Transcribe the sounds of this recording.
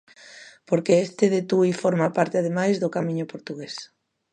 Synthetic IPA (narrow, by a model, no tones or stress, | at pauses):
poɾkeest̪eðet̪uifoɾmapaɾt̪eað̞emajzðokamĩɲʊpoɾt̪uɣes